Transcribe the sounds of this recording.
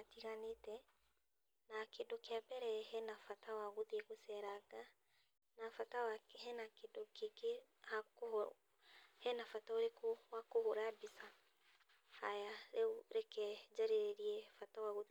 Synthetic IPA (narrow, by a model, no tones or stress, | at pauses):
atiɣanetɛ | nakedɔkeabɛɾɛhɛnafatawaɣuðeɣosɛɾaɡa | nafatawakhɛnakedɔkeke | hak | hɛnafataoɾekowakohoɾabisa | hajaɾeuɾɛkɛd͡ʒaɾeɾeɾiɛfatawaɣuð